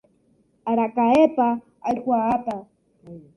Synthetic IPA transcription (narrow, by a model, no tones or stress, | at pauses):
aɾakaepa | alkwaat̪a